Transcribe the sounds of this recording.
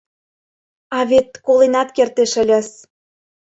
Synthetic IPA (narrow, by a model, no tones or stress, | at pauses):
ɑβet̪̚kolenɑt̪kert̪eʃə̆lʲæs